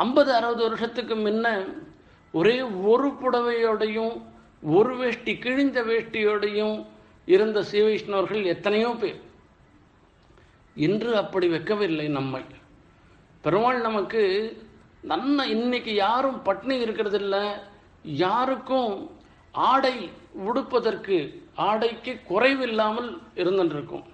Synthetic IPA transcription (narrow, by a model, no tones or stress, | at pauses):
ɐmbɐðɯɐɾɯʋɐðɯʋɐɾɯʂɐt̪ːɯkːɯmɪnːɐ | ɔɾeːɔɾɯpʊɽɐʋɐjoːɽɐjɯ̃m | ɔɾɯʋeːʂʈːikɪɻɪɲd̪ɐʋeːʂʈːɪjoːɽɐjɯ̃m | ɪɾɯnd̪ɐsiːʋɐɪʂɐnɐʋɐɾɣɐɭɛt̪ːɐnɐjõːpeːɾ | ɪndrɯɐpːɐɽiʋɛkːɐʋɐɪlːɐɪnɐmːɐɪ | pɛɾɯʋaːɭnɐmɐkːɯ | nɐnːɐɪnːɐkːɯjaːɾɯmpɐʈːɐnɐɪɾɯkːɪɾɐðɪlːɐ | jaːɾɯkːɯ̃ | aːɽɐɪʋɪɽɯpːɐðɐrkɯaːɽɐɪkːɯkʊrɐɪʋɪlːaːmɐlɪɾɯnd̪ɐnɪɾɯkːʊ̰̃m